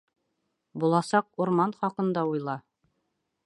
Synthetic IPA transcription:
bulˠɑsɑq̚uɾmɑnχɑqɤ̆nd̪ɑujlˠɑ

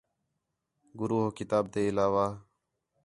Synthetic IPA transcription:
ɡʊɾuːɦokɪt̪aːb̚t̪eːɪlaːʋaː

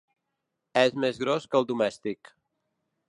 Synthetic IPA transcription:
ɛzmezɣɾoskəlˠd̪umɛst̪ik

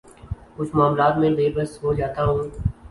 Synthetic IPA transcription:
kʊt͡ʃʰmaːmlaːt̪mẽleːbəsɦoːd͡ʒaːt̪aɦũː

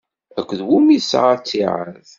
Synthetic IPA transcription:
ækʷːðwumiðsʁat͡sːiʕə̰ð

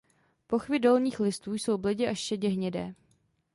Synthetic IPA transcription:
po̞xvɪdolɲiːxlɪst̪uːjso̞wblɪɟɪʔaʃʃɛɟɛɦɲɛdɛ̰ː

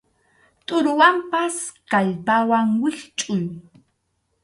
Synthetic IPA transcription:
t̪ʼʊɾʊwampaskaʎpawaŋwɪχt͡ʃʼʊj

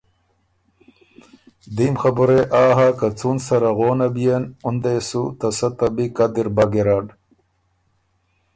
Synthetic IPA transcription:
d̪imxabuɾeʔaːɦakat͡sunsɐɾaɣoːnabijenund̪esut̪asat̪abikad̪iɾbaɡeɾaɖ

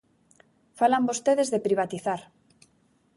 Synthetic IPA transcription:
falambost̪eðezðepɾiβ̞at̪iθaɾ

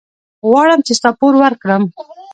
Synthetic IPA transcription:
ɣwɑɽəmt͡ʃest̪ɑpoɾwaɾkɽəm

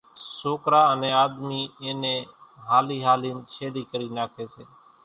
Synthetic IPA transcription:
soːkɾaːnẽːaːd̪miːẽːnẽːɦaːliːɦaːliːnʃeːd̪iːkəɾiːnaːkʰeːseː

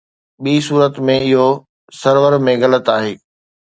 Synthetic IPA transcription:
ɓiːsuːɾət̪mẽɪɦo | sɐɾʋəɾmẽɣɐlət̪aːɦeː

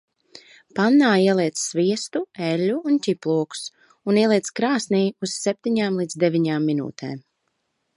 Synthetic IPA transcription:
panːaːiɛlˠiɛt̪ssviɛst̪uɛlʲːuuncʲiplˠuɔku̥s | uniɛlˠiɛt̪skɾaːsniːuz̥sɛp̚ʲt̪iɲaːmlˠiːd̪zd̪ɛvʲiɲaːmːinṵːt̪ʰɛ̰ːm

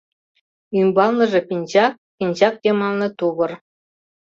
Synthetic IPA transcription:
ymʲbɑlˠnɤ̆ʐɤ̆pʲinʲʑɑk̚ | pʲinʲʑɑk̚jʲemɑlˠnɤ̆t̪ubɤ̆r

